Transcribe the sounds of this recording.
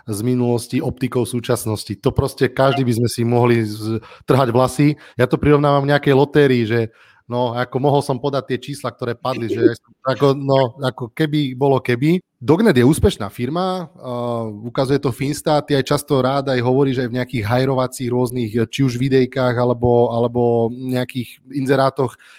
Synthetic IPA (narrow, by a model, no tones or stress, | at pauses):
zminulɔsciɔp̚t̪ikɔʊsuːt͡ʃasnɔscit̪ɔpɾɔscɛkaʒd̪ibizmɛsimɔɦlit̪r̩ɦaɟʋlasijat̪ɔpɾiɾɔʋnaːʋamvɲɛakɛjlɔt̪ɛːɾiːʒɛ | nɔakɔmɔɦɔlsɔmpɔd̪ac̚t̪ɪɛt͡ʃiːslak̚t̪ɔɾɛːpad̪liʒɛjajsɔmakɔnɔakɔkɛbibɔlɔkɛbi | d̪ɔɡnɛd̪jɛuːspɛʃna̰ːfiɾma | ukazujɛt̪ɔfinst̪aːt̪iajt͡ʃast̪ɔɾaːd̪ajɦɔʋɔɾiːʒajvɲɛakiːɣɦajɾɔʋat͡siːɣɾʊɔzniːɣt͡ʃiuʒʋid̪ɛjkaːɣalɛbɔalɛbɔɲɛakiːxinzɛɾaːt̪ɔx